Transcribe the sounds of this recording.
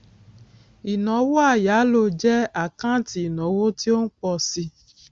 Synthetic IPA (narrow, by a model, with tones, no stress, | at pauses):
i˨nɔ̃˨˦wo˦a˦˨ja˨˦lo˧˨d͡ʒɛ˦a˦˨kã˦ti˧˦i˨nɔ̃˨˦wo˦ti˦o˦n̩˦k͡pɔ˧si˧